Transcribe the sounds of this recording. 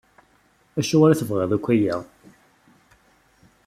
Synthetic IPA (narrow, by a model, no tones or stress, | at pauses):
æʃuaɾæθəvʁeðˤækʷːæjaʁ